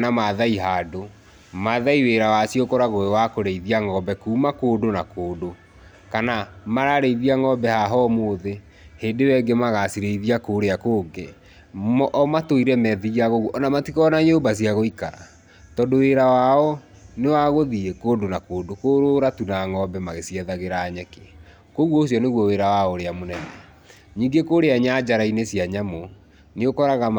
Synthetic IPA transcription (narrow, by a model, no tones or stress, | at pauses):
namaðaiɦaːdo | maðaiweːɾawasijokɔɾaɣoewakoɾeiðiaŋɔbɛkuːmakoːdonakoːdo | kanamaɾaɾeiðiaŋɔbɛhaɦɔmoːðe | hedewɛɡemaɣasiɾeiðiakoːɾeakoːɡe | ʔmatoiɾɛmɛðiaɣoɣuʔɔnamatikɔnaɲoːbas̬iaɣoika | tɔndoweːɾawaɔ | newaɣoðiekoːndonakoːdokoɾoɾatunaŋɔbɛmaɣesjɛðaɣeɾaːɲɛke | koɣwɔosiɔneɣwɔweːɾawaoɾeamonɛnɛ | ɲiːŋɡekoːɾeaɲad͡ʑaɾainesiaɲamo | neɣokɔɾaɣa